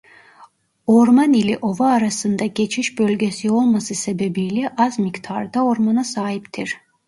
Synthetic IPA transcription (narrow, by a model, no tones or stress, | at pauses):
o̞ɾmanilʲiʔo̞vaːɾasɯnd̪aɟe̞t͡ʃʰiʃbølʲɟʲe̞sio̞lˠmasɯse̞be̞bijlʲɛʔazmikt̪ʰaɾd̪ao̞ɾmanasaːɦipt̪ʰiɾ̥